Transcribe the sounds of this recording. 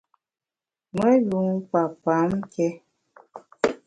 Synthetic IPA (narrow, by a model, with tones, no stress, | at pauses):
mə˦ju˨˦ŋpa˨pa˨˦mkɛ˦